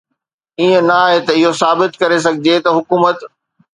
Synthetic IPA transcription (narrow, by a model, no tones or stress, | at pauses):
iːə̃nɐaːɦet̪ɐɪɦosaːbɪt̪kɐɾes̬ɐɡʱɪd͡ʑet̪ɐɦʊkuːmət̪